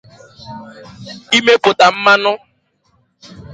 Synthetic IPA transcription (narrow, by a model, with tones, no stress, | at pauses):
i˦me˦pʊ˨ta˨m̩˦ma˦nʊ˦